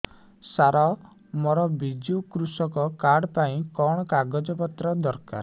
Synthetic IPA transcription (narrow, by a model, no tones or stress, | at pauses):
saɾɔ | mɔɾɔbid͡ʒiukɾusɔkɔkaɾɽpaĩkɔɽ̃ɔkaɡɔd͡ʒɔpɔt̪ɾɔd̪ɔɾka̰ɾ